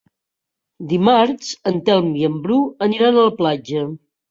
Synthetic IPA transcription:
d̪imaɾt͡ʃənt̪ɛlˠmiəmbɾuəniɾanələplad͡ʒə

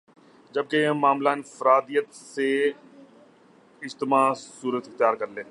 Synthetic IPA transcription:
d͡ʒɐb̚kẽmaːmlaːɪnfəɾaːd̪ijət̪se | ɪd͡ʒt̪ɪmaːsuːɾət̪ɪxt̪jaːɾkɐɾlẽː

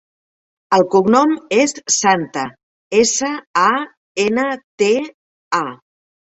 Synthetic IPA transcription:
əlˠkuɡnɔmesːant̪ə | esəa | enət̪e | a

